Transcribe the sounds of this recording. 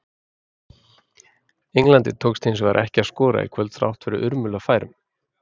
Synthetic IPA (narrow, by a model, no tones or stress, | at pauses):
eŋlant̪ɪt̪ʰoːwkst̪ʰensva̰ɾʔɛhcɪaskɔːɾa̰ḭkʰvœlt̪θɾa̰wht̪fɛɾʏʔʏɾmʏlafaːjɾʏm